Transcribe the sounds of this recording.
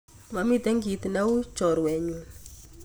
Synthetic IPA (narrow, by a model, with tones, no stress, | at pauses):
ma˨mi˦t̪ɛ˦ŋɡi˨t̪na˦u˦t͡ʃɔ˨ɾwɛ˨ɲu˨n